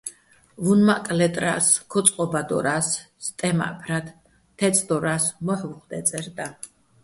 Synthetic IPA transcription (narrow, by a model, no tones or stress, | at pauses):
vunmakʼlɛt̪ʼɾa̰skʰɔt̪sʼqʼɔbad̪ɔ̰ɾasː | t̪ʼɛma̰pʰɾat̪ʰ | t̪ʰːɛt̪sʼʰd̪ɔɾasmaχvuχd̪ɛt̪sʼɛɾd̪a